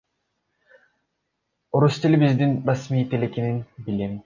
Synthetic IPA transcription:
uɾust̪ilʲbizd̪inrasmijt̪elekeninbilim

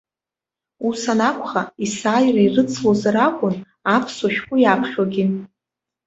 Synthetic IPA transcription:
usanakʷʰʼχaisaːjrairɨt͡sʰlozaɾakʷʼʊn | apʰsoʃᶣkʷʼʊjapʰχʲᶣaɡʲɪ

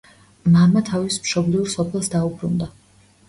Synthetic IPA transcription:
mamat̪ʰavismʃɔbliuɾsɔpʰɛlˠsd̪aubɾund̪a

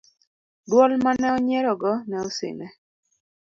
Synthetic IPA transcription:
dwɔlmanɛɔɲɛɾɔɡɔnɛɔsɪ̰nɛ

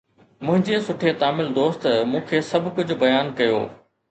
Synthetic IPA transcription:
mʊ̃ɦɪ̃ɲd͡ʑesʊʈʰet̪aːmɪld̪oːst̪mũːkʰeːsɐbʱkʊd͡ʑʱʊ̆bɐjaːnkɐjo̰ː

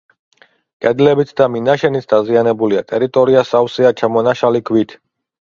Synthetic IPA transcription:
kʼɛd̪lɛbit̪ʰd̪aminaʃɛnit̪ʰd̪azianɛbuliat̪ʼɛɾit̪ʼɔɾiasawsiat͡ʃʰamɔnaʃalikʰwit̪ʰ

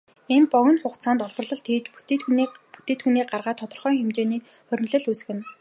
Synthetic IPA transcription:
enpɔɣʲɪ̆nχʊχt͡sʰaːnt̪ɔɮpɞ̆rɮɞ̆ɮt̪ʰeːt͡ɕ | pu̥t̪eːt̪xuniːɢarʁaːt̪ʰɔt̪ɞ̆rχœːŋxemt͡ɕeːniː | χœɾ̆ʲn̆ɮɘ̆ɮusɣɘ̆n

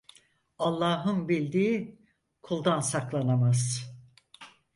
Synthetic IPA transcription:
alˠːaːɦɯnbilʲd̪iː | kʰulˠd̪ansaklˠanamaz̥

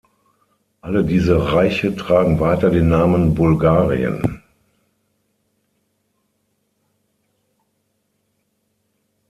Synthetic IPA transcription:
ʔalədiːzəʁaɪçətʁ̥aːɡŋ̩vaɪtɐdeːnːaːmənbʊlɡaːʁḭə̰n

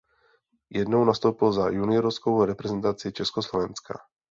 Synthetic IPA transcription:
jɛdnownast̪owpɪlzajunɪoɾɔfskowɾɛpɾɛzɛnt̪at͡sɪit͡ʃɛskoslovɛnska̰

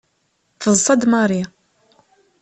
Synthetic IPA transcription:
fəzˤːɑd̪mɑɾˤi

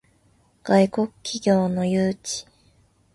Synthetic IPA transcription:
ɡ̥aiko̞kɯ̥kʲːiɡʲo̞ːno̞jɯːt͡ɕi̥

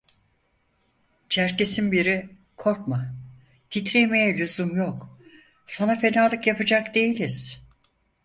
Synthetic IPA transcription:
t͡ʃʰæɾcesinbiɾi | kʰo̞ɾkma | t̪ʰit̪ɾejme̞jɛlʲuzumjok | sanafe̞naːlˠɯkjapɯd͡ʒakd̪e̞jilʲiz̥

